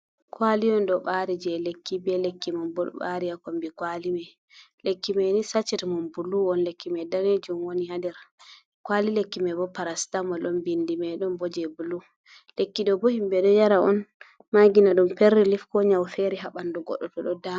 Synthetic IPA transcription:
kwalimɛndɔɓaɾid͡ʒɛlekːibɛlekːimɔnbɔ̰ɓa̰ɾijakombikwalimɛ | lekːimɛnisat͡ʃːɛtmɔnbuluɔnlekʰːimɛdaned͡ʒumwonihandɛɾ | kwalilekːimɛbɔpaɾastamɔlɔnbindimɛɗɔnbɔd͡ʒɛbulu | lekːiɗɔbɔhimbɛɗɔjaɾaʔɔ̰n | maɡinaɗumpeɾːilifkɔɲawfeɾiɦaɓandɔɡɔ̰ɗɔtɔɗɔda

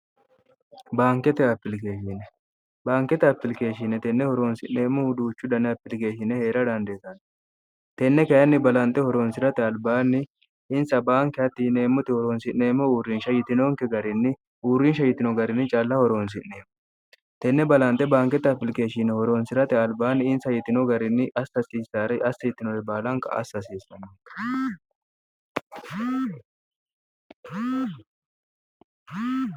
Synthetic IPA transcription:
baːŋkɛt̪ɛɐpːɪlkeːʃɪnɛ | baːŋkɛt̪ɛɐpːɪlke̞ːʃɪnɛt̪ɛnːɛhɔɾoːnsɪnːe̞ːmːɔhʊd̪uːt͡ʃːʊd̪ɐnːɛɐpːɪlke̞ːʃɪnɛhe̞ːɾɐd̪ɐnd̪eːt̪ɐn | t̪ɛnːɛkɐjɐnːɪbɐlɐnt̪ʼːɛhɔɾoːnsɪɾɐt̪ɛɐlbaːnːɪ | ɪnsɐbaːŋkːɛɐt̪ːiːneːmːɔt̪ɪhɔɾoːnsɪnːe̞ːmːɔuːrːɪnʃɐjɪt̪ɪnoŋkɛɡɐɾɪnːɪ | uːrːɪnʃɐjɪt̪ːɪnɔɡɐɾɪnːɪt͡ʃʼɐlːɐhɔɾoːns̬ɪnneːmːɔ | t̪ɛnːɛbɐlɐnt̪ːɛbaːŋkɛt̪ːɐfɪlɪkʼeːʃinɛhɔɾoːnsɪɾɐt̪ɪɐlbaːnːɪɪnsɐjɪt̪ːɪnɔɡɐɾɪnːɪʔɐsɐsiːsaːɾɛʔɐsːɐjɪt̪ːɪnɔɾɛbaːlɐŋkɐ̰ʔɐ̰sːɐsiːsɐnːɐ

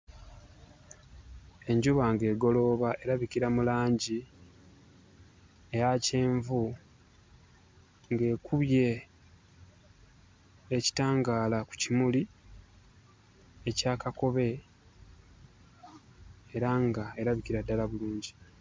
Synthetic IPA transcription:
e̞ɲɟuβaŋɡe̞ːɡo̞lo̞ːβaʔe̞ɾaβikiɾamulaːɲɟi | ejaceːɱvu | ŋɡe̞ːkuβje̞ | ci̥taːŋɡaːlaku̥cimuli | e̞caːkako̞βe̞ | ɾaŋɡae̞ɾaβikiɾadːalaβuluːɲɟi

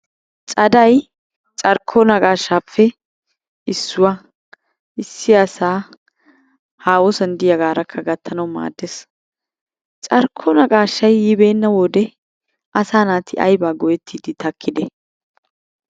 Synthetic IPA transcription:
t͡ʃʼɐd̪ɐj | t͡ʃʼɐɾkʰːɔnɐkʼaːʃːaːpːɛ | ɪsːʊwa | ɪsːɪɐsaː | haːwɔsɐnd̪ɪjɐɡaːɾɐkʰːɐɡɐt̪ʰːɐnɐwma̰ːd̪ːes | t͡ʃʼɐɾkʰːɔnɐkʼaːʃːɐjjɪbe̞ːnːɐwɔd̪ɛ | ʔɐsaːnaːt̪ʰːɪʔɐjbaːɡɔjɛt̪ʰːiːd̪ɪt̪ɐkʰːɪd̪ɛ

